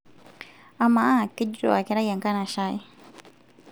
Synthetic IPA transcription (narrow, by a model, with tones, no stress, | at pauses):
a˨ma˦a˦˨ki˦ɟɾo̰˨a˨kɛ˨ɾa˦ja˨ŋka˦na˨ʃa˦ji˦